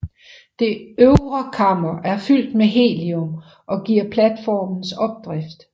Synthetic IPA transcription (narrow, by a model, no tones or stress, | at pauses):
d̥e̝øʊʁɐkʰɑ̈mɐʔæɐfyl̰d̥meɦe̝̰ːliɔm | ʔɒ̽ɡ̥iɐ̰pʰlæd̥fɒ̰ːmn̩sɒ̽b̥̚d̥ʁɛfd̥